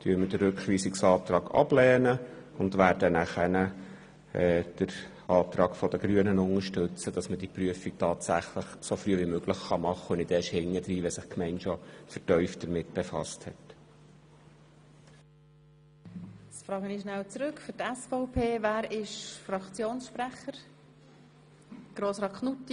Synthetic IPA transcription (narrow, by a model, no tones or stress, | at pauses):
tʰyəməd̥ərɾɵkχʋiːsɪksɑːtɾɑːɡɑ̰b̥lɛːnəʊndʋæːɾdənæχɛnə | ɛːd̥əɾ | ɑːtɾɑːɡ̥fɔd̥̪əɡ̥ɾyənənʊŋəʃtɵt͡səd̥ɑsməd̥ipɾyəfik̚tʰɑːtsæχləχsofɾyəʋimøɡləχχɑmɑχːəʊnɪdɛːʃhɪŋːəd̥ɾiːʋɛsɪχkmɛɪnʃɔfətœʏftd̥əɾmɪt̚b̥efɑ̰sthɛ̰t | t͡sfɾɑːɡənɪʃnæwt͡sɾʏkfʏɾtɛsfɔʊpʰeːvæːɾɪʃfɾɑkt͡sjoːnsʃpræχəɾ | ɡ̥ɾoːsɾɑːkʰnutːi